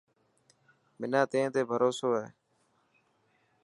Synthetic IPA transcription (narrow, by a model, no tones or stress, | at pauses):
mɪnaːt̪ẽːt̪eːbʱəɾoːsoːɦeː